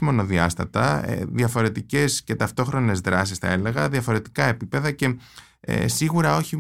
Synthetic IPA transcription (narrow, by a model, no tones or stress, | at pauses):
mo̞no̞ðiɐst̪ɐt̪ɐḛðiɐfo̞ɾe̞t̪ice̞sce̞t̪ɐft̪o̞xɾo̞ne̞zðɾɐsisθɐ̰e̞le̞ɣɐðiɐfo̞ɾe̞t̪i̥kɐe̞pipe̞ðɐce̞ | ḛsiɣuɾɐo̞çi